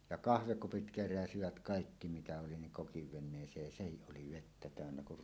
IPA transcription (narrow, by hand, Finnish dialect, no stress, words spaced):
jɑ kɑhʋekupit keræsiʋæt kɑˑikːi mitæ oli niŋ kokiʋ ʋenˑeːsˑeːj jɑ sehiʔ ʔoli ʋetːæ tæˑønːæ kur